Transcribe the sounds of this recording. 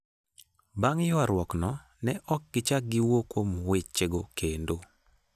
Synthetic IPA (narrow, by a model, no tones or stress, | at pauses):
baŋjɔaɾwɔknɔ | nɛʔɔk̚ɡ̥ɪt͡ʃaɡɪwokomwet͡ʃt͡ʃeɡokendo